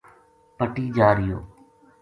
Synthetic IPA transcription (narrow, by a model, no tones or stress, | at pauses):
pəʈiːd͡ʒaːɾɪjo̰ː